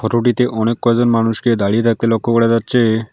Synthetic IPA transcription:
fʰɔʈoʈ̬it̪eʔɔnekːɔekɡ̚d͡ʑonmanuʃked̪aɽiet̪ʰak̚t̪elokʰːokoɽed͡ʑatːɕʰe

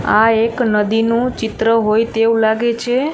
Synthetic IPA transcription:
aeknəd̪inũt͡ʃɪt̪ɾəɦojt̪eũlaɡet͡ʃʰe

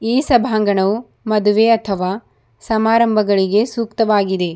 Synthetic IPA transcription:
iːsɐbʱaːŋɡɐɳɐu | mɐd̪uʋeɐt̪ʰɐʋaː | sɐmaːɾɐmbʱɐɡɐɭiɡe̞suːkt̪ɐʋaːɡid̪e̞

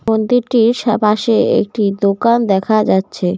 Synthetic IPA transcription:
ond̪iɾʈiɾʃapaʃeḛk̚ʈid̪okand̪ɛkʰad͡ʑatːɕʰe

